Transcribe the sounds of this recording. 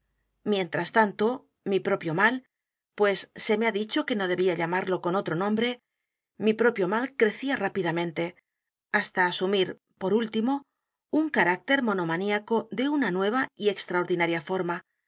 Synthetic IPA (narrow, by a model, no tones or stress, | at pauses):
mje̞nt̪ɾast̪ant̪o̞ | mipɾo̞pjo̞mal | pwe̞sːe̞meaðit͡ʃo̞ke̞no̞ð̞e̞βiaʎamaɾlo̞ko̞no̞t̪ɾo̞nõ̞mbɾe̞ | mipɾo̞pjo̞malkɾe̞θiarapiðamẽ̞nt̪e̞ | ast̪aːsumiɾ | po̞ɾult̪imo̞ | uŋkaɾak̚t̪e̞ɾmo̞no̞maniako̞ðe̞unanwe̞β̞aie̞kst̪ɾaoɾðinaɾjafo̞ɾma